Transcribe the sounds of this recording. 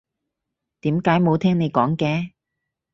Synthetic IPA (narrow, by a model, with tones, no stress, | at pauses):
t̪iː˨˥mkaː˨˥jmo˨˧wt̪ʰɛː˥ŋne˨˧jkɔː˨˥ŋkɛː˧